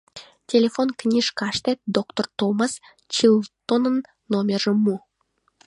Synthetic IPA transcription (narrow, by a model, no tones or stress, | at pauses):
tʲelʲefonknʲiʂkɑʃt̪ʲet̪̚d̪okt̪ort̪omɑs | t͡ɕilˠt̪onənː | omʲerʒəmu